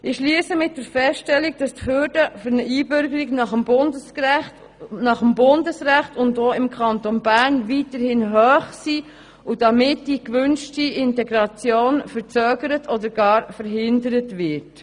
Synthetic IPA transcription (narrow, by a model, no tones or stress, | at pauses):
ɪʃliəsəmɪt̚d̥əɾfɛstɛlːik̚d̥ɑsthʏːɾdəfɔɾnəʔiːbʏɾɡəɾiɡnɑχəmbʊndəs | nɑχəmbʊndəsɾæχtʊndoːɪmkʰɑntonbæɾnvitəɾhɪnɦœːχsi | ʊd̥ɑmɪtd̥ikʋʏnʃtiɪntɛɡɾɑt͡sjoːnfəɾt͡søːɡəɾətʰɔdəɾɡ̥ɑːɾfəɾɦɪndəɾətvɪt